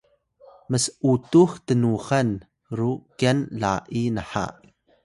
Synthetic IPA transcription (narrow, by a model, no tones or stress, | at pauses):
məsʔut̪uxt̪ənuxɐn | ɾuʔkɛnlaːʔinəħa̰ʔ